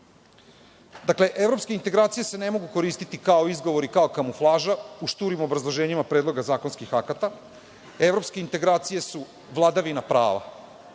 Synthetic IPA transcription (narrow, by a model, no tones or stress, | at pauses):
d̪akle̞ʔe̞vɾo̞pskeint̪eɡɾaːt̪sijese̞ne̞mo̞ɡuko̞ɾiːst̪it̪ikao̞izɡo̞ʋo̞ɾikao̞kamuflˠaːʒauʃt̪uːɾimo̞bɾazlˠo̞ʒe̞ːɲimapɾed̪lˠo̞ɡazaːko̞nskixakat̪a | e̞ʋɾo̞pske̞int̪e̞ɡɾaːt̪sije̞su | ʋlˠad̪aʋinapɾa̰ːʋa̰